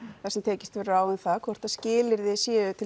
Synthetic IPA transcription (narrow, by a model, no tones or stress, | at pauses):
θɛsɛmt̪ʰɛːcɪ̥st̪vɪrraːwɪnθaðkʰvɔr̥t̪aðscɪːlɪɾðɪsjɛːʏt̪ʰɪ